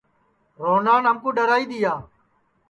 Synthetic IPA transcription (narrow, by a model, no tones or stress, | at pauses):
ɾoːnaːnəmkõːɖəɾaːiːd̪iːaː